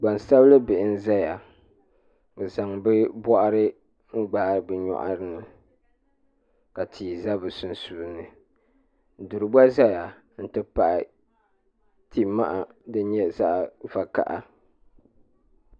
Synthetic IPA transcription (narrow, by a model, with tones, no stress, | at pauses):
ɡ͡ba˨n˨sa˦blɨ˦bɪ˨ʔɪ˦n˦za˦ja˨ | za˨ŋbɛ˦bɔ˦ʔa˦ɾɨ˦ | ŋ̩˦ɡ͡ba˨bɨ˨ɲɔ̰˨ʔa̰˦ɾɨ˦nɨ˨ | ka˨tʰiː˨za˦bɨ˨su˨n˨su˨nɨ˨ | du˨ɾɨ˨ba˦za˦ja˨ | n̩˦tɨ˦pa˨ʔɪ̰˨ | tʰi˨ma̰˦ʔa˨dɨ˦ɲɛ˦za˦ʔva˨ka̰˨ʔa˦